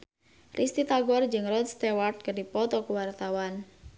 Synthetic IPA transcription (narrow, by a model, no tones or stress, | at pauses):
rist̪it̪aɡɔrd͡ʒɨŋrɔd̪st̪ewart̪̚kərdipɔt̪ɔkuwart̪awan